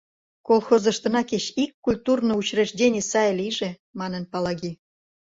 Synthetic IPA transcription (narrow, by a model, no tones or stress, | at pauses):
kolˠxozɤ̆ʃt̪ɤ̆nɑket͡ɕikːulʲt̪urnout͡ɕreʒdʲenʲesɑjlʲijʒĕ | mɑnə̆npɑlɑɣi